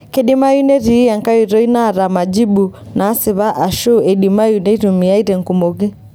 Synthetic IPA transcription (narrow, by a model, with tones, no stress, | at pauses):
kɛ˨ɗi˦ma˦ju˦nɛ˦ɾi˨˦a˨ŋka˦ji˨ɾɔ˦i˦na˦˨ɾa˨ma˨d͡ʒi˦ɓu˨ | naː˨˦si˨βa˦ʔa˨ʃu˦ɛ˨ɗi˨ma˦ju˨nɛ˦ɾumi˨a˦i˦ɾɛ˨ŋku˨mɔ˨ɣi˦